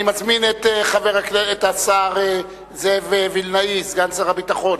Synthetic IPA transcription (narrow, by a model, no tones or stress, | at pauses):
nimat͡smineteχaveʁakeet̪asaʁ | zevevilnaisɡansaʁabit̪aχo̞n